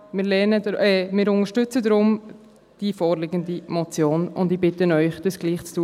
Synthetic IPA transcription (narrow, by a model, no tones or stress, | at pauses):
mɪːɾlɛnədɛmɪːɾʊnəʃtʏt͡sədɾʊm | d̥ifɔːɾlɪɡəndimɔt͡sjoːnʊndibɪtənœʏχd̥əsɡ̥liːχt͡stu